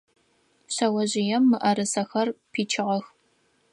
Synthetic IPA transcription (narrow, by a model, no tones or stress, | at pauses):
ɕɐwɐʑɪjɛmːɨʔɐɾɨsɐxɐrpʰiːt͡ʃʰɪʁɐx